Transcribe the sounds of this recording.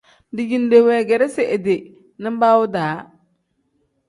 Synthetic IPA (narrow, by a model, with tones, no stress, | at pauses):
dɪ˨d͡ʒi˨n˦de˨wɛ˨ɡɛ˨ɾɛ˦sɪ˨ʔe˨de˨ | nɪ˦m˦baː˦wʊ˦daː˨˦